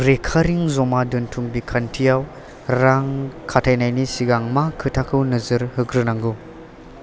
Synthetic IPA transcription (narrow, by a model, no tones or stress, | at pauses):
ɾekʰaɾiŋzɔmadɯntʰuŋbikʰantʰijaw | ɾaŋkʰatʰajnajnisiɡaŋmakʰɯtʰakʰɯwnɯzɯɾhɯɡɾɯnaŋɡu